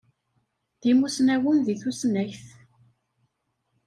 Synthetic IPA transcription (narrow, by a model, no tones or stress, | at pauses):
ðimusnæwənðiθusnæçθ